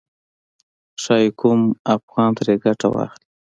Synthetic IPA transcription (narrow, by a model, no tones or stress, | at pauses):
ʃɑjkʊmafɣɑnt̪aɾeɡaʈa̰wɑ̰xli